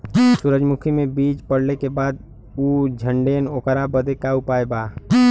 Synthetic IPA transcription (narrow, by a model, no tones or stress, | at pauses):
sʊɾəd͡ʒmʊkʰimẽbiːt͡ʃpəɽ̤lekebaːd̪ | uːd͡ʒʱəɳɖeːnoːkəɾabəd̪ekaupaːebaː